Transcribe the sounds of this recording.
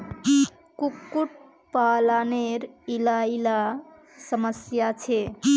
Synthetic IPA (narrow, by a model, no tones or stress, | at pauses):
kukːuʈ̚ | palaneɾilaila | səməsjat͡ʃʰe